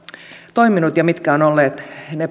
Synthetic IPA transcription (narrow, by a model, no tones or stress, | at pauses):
t̪o̞iminut̪jɑmit̪kæonolːeːt̪ne